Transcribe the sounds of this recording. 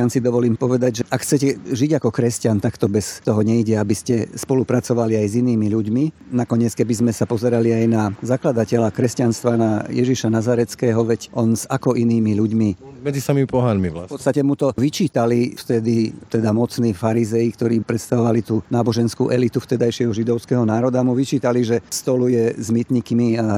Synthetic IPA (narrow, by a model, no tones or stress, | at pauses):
ansid̪ɔʋɔliːmpɔʋɛd̪aɟʒɛakxt͡sɛcɛʒiɟakɔkɾɛscant̪akt̪ɔbɛst̪ɔɦɔɲɛiɟɛabiscɛspɔlupɾat͡sɔʋaliajziniːmiʎuɟminakɔɲɪɛt͡skɛbizmɛsapɔzɛɾaliajnazaklad̪acɛlakɾɛscanst̪ʋanajɛʒiʃanazaɾɛt͡skɛːɦɔʋɛɟʔɔnzakɔʔiniːmiʎuɟmimɛd͡zisamimipɔɦanmiapɔt̪st̪acɛmut̪ɔʋit͡ʃiːt̪alift̪ɛd̪it̪ɛd̪amɔt͡sniːfaɾizɛjikt̪ɔɾiːpɾɛt̪st̪aʋɔʋalit̪uːnaːbɔʒɛnskṵːʔɛlit̪uft̪ɛd̪ajʃɪɛɦɔʒid̪ɔʊskɛɦɔnaːɾɔd̪amuʋit͡ʃiːt̪aliʒɛst̪ɔlujɛzmit̪ɲikmia